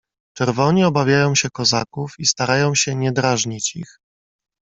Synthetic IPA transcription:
t͡ʂɛɾvɔɲiɔbavʲjajɔ̃w̃ɕɛkɔzakufist̪aɾajɔ̃w̃ɕɛɲɛd̪ɾaʐɲit͡ɕḭx

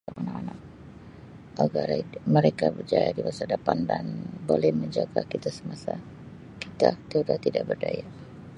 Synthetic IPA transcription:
aʔanakanak̚ | aɡarməɾekabərd͡ʒajadimasadapandanbolɛhməɲd͡ʒaɡakit̪asəmasa | kit̪at̪eudat̪idaʔbərdaja

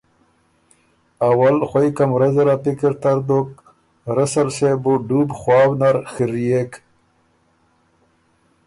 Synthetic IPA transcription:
awalxwajkamɾɐzɾapikiɾt̪aɾd̪ok̚ | ɾɐsɐlsebuɖubxwaːwnaɾxiɾijek

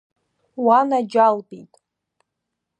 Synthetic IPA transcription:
wanad͡ʒalbʼitʼ

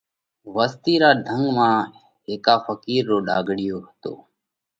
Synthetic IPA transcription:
ʋəst̪iːɾaːd̪ʱəŋɡmãː | ɦeːkaːfʰəkiːɾːoːɗa̰ːɡʱɽɪjoːɦət̪o̰ː

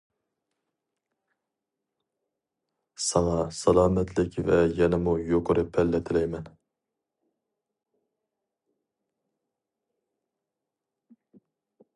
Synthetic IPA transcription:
sɑŋɑsɑlˠɑːmɛt̪ʰlɪkʲvɛjɛnɪmujoqʰʊɾɨpʰɛlːɛt̪ʰɪlɛjmɛn

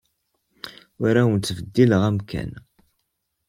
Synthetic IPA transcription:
ʊɾæwənːvəd̪ːiləʁæmkʰæ̰n

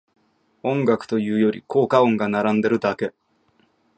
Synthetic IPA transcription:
õ̞ŋɡakɯ̥t̪o̞jɯ̟ːjo̞ɾʲḭkʰo̞ːkaõ̞ŋɡanaɾãnd̪e̞ɾɯ̟d̪ake̞

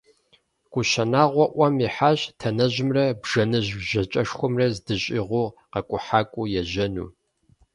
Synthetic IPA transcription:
kʷʼʊɕɐnaːʁʷɔʔʷɐmiħaːɕtʰɐnɐʑɪmrɐbʒɐnɨʑʒɐt͡ʃʼɐʃxʷʊmrɐzdɨɕʼiʁʷʊːqɐkʷʼʊħaːkʷʼujɛʑɐnṵː

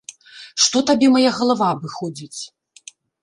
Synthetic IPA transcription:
ʂt̪ɔt̪abʲɛmajaɣɐlˠavabɨxɔd͡zʲit͡sʲ

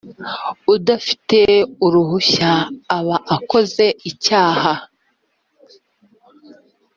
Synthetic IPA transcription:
udafi̥te̞uɾuhuçaːβaʔːko̞ze̞icaːha

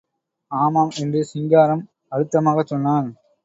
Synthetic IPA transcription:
aːmaːmɛndrɯsɪŋɡaːɾɐm | ɐɻɯt̪ːɐmaːɣɐt͡ʃːɔnːaːn

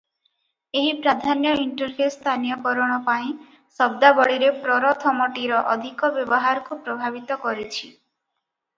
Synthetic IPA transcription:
eɦipɾad̪ʱanjɔiɳʈɔɾfʰest̪ʰanijɔkɔɾɔɽ̃ɔpaĩ | sɔb̚d̪abɔɭiɾepɾɔɾɔt̪ʰɔmɔʈiɾɔʔɔd̪ʱikɔbjɔbɔɦaɾɔkupɾɔbʱabit̪ɔkɔɾit͡ʃʰi

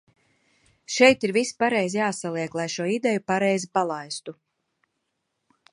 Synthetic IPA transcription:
ʃɛjt̪iɾvispaɾɛjzijaːsalˠiɛklˠajʃuɔid̪ɛjupaɾɛjzipalˠajst̪u

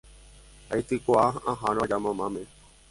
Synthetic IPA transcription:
ait̪ikoaãɦãɾad͡ʒamãmãmẽ

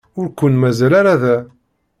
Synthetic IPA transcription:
ʊɾkʷːənmæzælaɾaðæ

